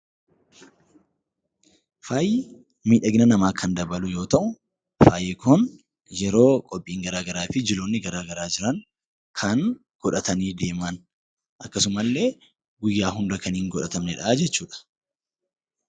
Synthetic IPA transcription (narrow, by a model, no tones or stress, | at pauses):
faːjɪ | miːᶑɐɡɪnɐnɐmaːkʰɐnd̪ɐbɐlʊjo̞ːt̪ɐʔʊ | faːjɪkʊn | jɛɾo̞ːkʼɔpʼːiːŋɡɐɾaːɡɐɾaːfɪd͡ʒɪloːnːɪɡɐɾaːɡɐɾaːd͡ʒɪɾɐŋ | kʰɐŋ | ɡ̥ɔᶑɐt̪ɐniːd̪e̞ːmɐn | ʔɐkːɐsʊmɐlːe̞ː | ɡʊjːaːɦʊnd̪ɐkɐniːŋɡɔᶑɐt̪ɐmnɛᶑɐaːd͡ʒɛt͡ʃːuːᶑɐ̥